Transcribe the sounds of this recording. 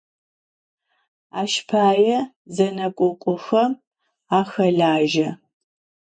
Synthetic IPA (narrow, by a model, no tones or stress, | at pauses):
a̰ːʃpʰaːjɛ | zɐnɐkʷʼʊkʷʼʊxɐm | aːxɐɮaːʒɐ